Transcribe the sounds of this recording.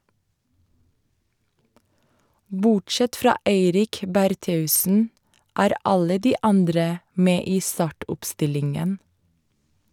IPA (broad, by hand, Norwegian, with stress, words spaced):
ˈbʊʈˌʃɛt ˈfɾɑː ˈeɪɾɪk bæɾˈteːʉsn̩ ˈæːɾ ˈɑlə ˈdiː ˈɑndɾə ˈmeː ˈiː ˈstɑːʈʊpˌstɪlɪŋən